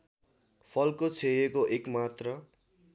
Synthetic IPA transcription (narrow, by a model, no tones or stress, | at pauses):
pʰʌlkot͡sʰejekoʔekmat̪rʌ